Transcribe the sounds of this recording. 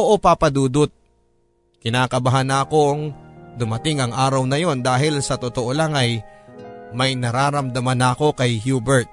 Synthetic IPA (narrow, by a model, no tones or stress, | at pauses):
oʔopaːpɐd̪uːd̪ot̪̚ | kɪnaːkɐbɐɦanaɐko̞ŋd̪ʊmɐt̪ɪŋɐŋʔaːɾɐwnɐjo̞nd̪aːɦɪlsɐt̪ot̪oʔo̞laŋɐj | mɐjnɐɾaːɾɐmd̪ɐmanɐɐko̞kɐjhjuːbɛɹt̪̚